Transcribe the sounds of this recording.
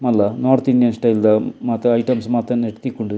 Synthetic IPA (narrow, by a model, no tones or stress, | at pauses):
mɐlːɐnoːrt̪iɳɖijɐnsʈɐjld̪ɐmaːt̪ɐɐjʈɐmsmaːt̪ɐmneʈːt̪ːikːoɳɖɨ